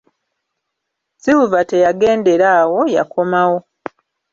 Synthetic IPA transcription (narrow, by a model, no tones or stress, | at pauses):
ziwuvate̞jaɡe̞ːnde̞ɾaːwo̞ja̰kʰo̞mawo̞